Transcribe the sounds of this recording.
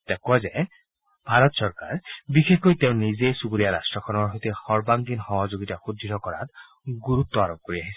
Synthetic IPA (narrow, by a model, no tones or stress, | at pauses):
t̪ɛkuaze | b̥ʱaɾɔt̪sɔɹka̰ɹbixexojt̪eʊ̃nizejsubuɾijaɾastɹɔkʰɔnɔɹɦojt̪exɔɹbaŋɡinxɔɦɔd͡ʒoɡitaxud̪ʱːitɔkɔa̰t̪ | ɡuɾut̪ːɔaɾɔb̚koɾiaɦisʰɛ̥